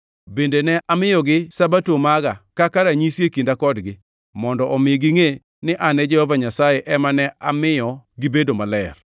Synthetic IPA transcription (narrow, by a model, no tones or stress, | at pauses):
bendenɛʔamɪjɔɡɪsabatomaɡakakaɾaɲisjekindakɔdɡɪ | mɔndɔʔɔmɪɡiŋe | nɪʔanɛd͡ʒɛhɔvaɲasajeʔɛmanɛʔa̰mɪjɔɡɪbedomalɛr